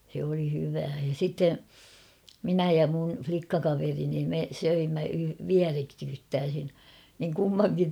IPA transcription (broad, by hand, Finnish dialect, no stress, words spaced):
se oli hyʋæː jɑ sitːe minæ jɑ mun̞ʲ flikːɑkɑʋerini me søimːæ ʋiæreksytːæːsin niŋ kumːɑŋkin